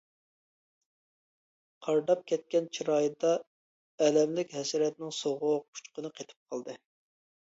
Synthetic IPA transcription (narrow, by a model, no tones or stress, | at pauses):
qʰɑɾd̪ɑp̚kʲʰɛt̪̚kʲɛnt͡ʃʰiɾɑːjɨd̪ɑ | ɛlɛmlɪkʲɦɛsɾɛt̪̚nɪŋsoʁʊq̚pʰu̥t͡ʃqənɨqʰet̪ʰɪ̥p̚qʰɑlˠd̪ɨ